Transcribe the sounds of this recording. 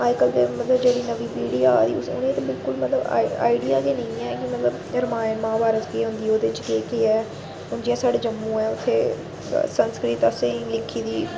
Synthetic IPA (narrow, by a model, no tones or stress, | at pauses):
aːkəld̪eːmət̪ləbd͡ʒeːɽiːnəʋiːpiːɽiːaːd̪iːʊsʊ̰nẽːt̪ːbɪlkʊlmət̪ləb̰a̰ːiɖijaːkeːnəĩːɛːkɪmət̪ləb | ɾəmaːɪnmãːbaːɾət͡ʃkiɦʊ̃nd̪iːoːd̪eːɪt͡ʃkeːkeːɛː | ʊnd͡ʒijãːsaːɽeːd͡ʒəmːũːɛːʊt̪ʰːḛː | sənskɾɪt̪əsẽlɪkʰːiːd̪iː